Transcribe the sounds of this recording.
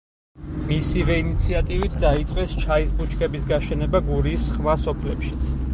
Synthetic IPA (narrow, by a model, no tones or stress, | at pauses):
misivɛinit̪sʰiat̪ʼivit̪ʰd̪ait̪sʼqʼɛst͡ʃʰaisbut͡ʃʰkʰɛbisɡaʃɛnɛbaɡuɾisχmasɔpʰlɛpʃit̪sʰ